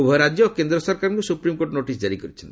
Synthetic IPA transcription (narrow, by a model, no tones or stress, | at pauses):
ubʱɔɾad͡ʒjɔkend̪ɾɔsɔɾkaɾɔ̃ŋkusupɾimkoʈnoʈis̬d͡ʒaɾikɔɾit͡ʃʰɔnt̪i